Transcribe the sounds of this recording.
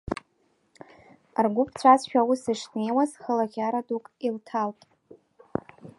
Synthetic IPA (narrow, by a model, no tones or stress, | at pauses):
rɡʷʊpʰt͡sʷʰazʃᶣawusɨʂne̞jwazχəlaʁʲaɾadukʼiltʰaltʼ